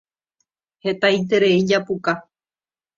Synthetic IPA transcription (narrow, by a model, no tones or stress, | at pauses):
he̞t̪ajt̪e̞ɾe̞id͡ʒapuka